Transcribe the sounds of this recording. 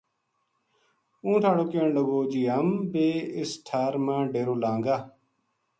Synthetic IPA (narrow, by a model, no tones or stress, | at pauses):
ũːʈʰaːɽoːkeːɳləɡoːd͡ʒiːɦəmbeːɪsʈʰaːɾmãːɖeːɾoːlãːŋɡaː